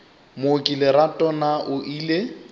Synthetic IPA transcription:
mokʼilɪɾatʼɔnaʔʊʔiːle

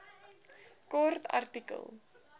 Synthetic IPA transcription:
kɔrtʰɐ̰rtikə̰lˠ

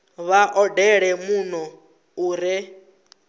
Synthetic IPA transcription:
βaʔɔdɛɺɛmunɔ | uːɾɛ

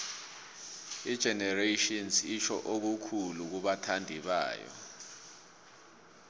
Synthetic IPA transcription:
id̥ʒ̥ʱɛnɛreʃɔnsit͡ʃʰɔ̰ʔok̬ukʰuluk̬uɓatʰandʱiɓa̰ːjɔ̰

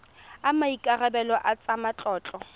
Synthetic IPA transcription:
amaikʼarɛbɛlɔʔat͡sʼamat͡ɬʼɔːt͡ɬʼɔ

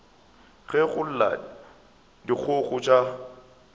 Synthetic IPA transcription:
ɣɛɣʊl̩la̰ | dik͡xʰʊɣʊt͡ʃʼa

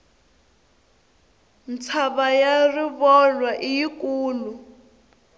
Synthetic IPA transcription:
n̩t͡sʰaβajariβɔlwaʔijikuːlu

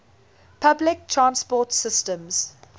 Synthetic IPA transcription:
pʰablɪk̚tʰɹãnspɔtsɪstə̃mz̥

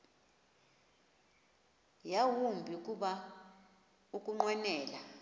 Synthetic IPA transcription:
jawumbʱikʼuɓa | ukʼuŋ͡ǃwɛnɛːla

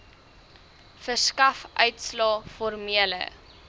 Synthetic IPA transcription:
fərskɐfʔœɥtslɑːfɔrmiələ̰

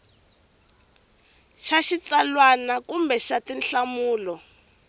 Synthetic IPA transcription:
ʃaʃit͡salwanakumbɛʃatinɬamuːlɔ

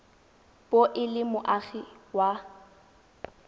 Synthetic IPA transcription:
b̥oʔɪlɪmʊʔaɣiwa

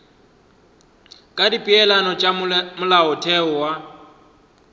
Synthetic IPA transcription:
kʼadipʼiɛlanɔt͡ʃʼamʊlaʊtʰɛʊwa

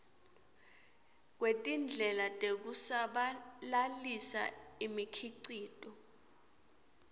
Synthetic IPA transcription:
k̬wetʼind͡ɮʱɛlatʼek̬usaɓalalisa̰imikʰiǀiːtʼɔ

